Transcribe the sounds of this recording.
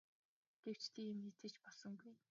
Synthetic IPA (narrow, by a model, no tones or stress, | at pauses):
ɡ̥ew̥t͡ɕt̪ʰiːemet͡sĕt͡ɕpɔɮsɞ̆ŋɡuj